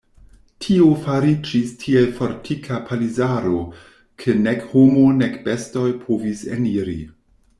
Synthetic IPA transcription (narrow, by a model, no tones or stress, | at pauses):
tʰiofaɾid͡ʒistʰielfo̞ɾtʰikʰapʰalizaɾo | kʰenekhomonekb̥esto̞jpʰovisḛniɾḭ